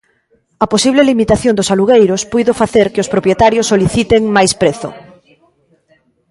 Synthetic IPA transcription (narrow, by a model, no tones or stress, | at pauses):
ɐposiβlelimit̪aθjond̪ʊsaluɣejɾʊspujðʊfaθeɾkeospɾopjet̪aɾjosːoliθit̪eŋmajspɾeθʊ̰